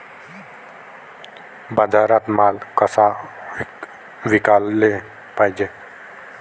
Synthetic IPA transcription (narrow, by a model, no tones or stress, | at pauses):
bad̪ʱaɾat̪malkəsa | ʋikalːe | pajd͡ʒe